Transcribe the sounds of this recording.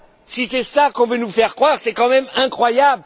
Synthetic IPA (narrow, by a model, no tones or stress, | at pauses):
sisɛsakɔ̃vønufɛʁkχwaʁsɛkɑ̃mɛmɛ̃kχwajabl